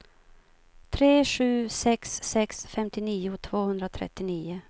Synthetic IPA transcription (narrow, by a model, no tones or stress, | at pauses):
t̪ʰɾeːɧʉ̟ːsɛksːɛksfɛmt̪ɪniːʊt̪ʰv̥oːhɵnd̪ɾat̪ʰɾɛ̰t̪ːɪniːʊ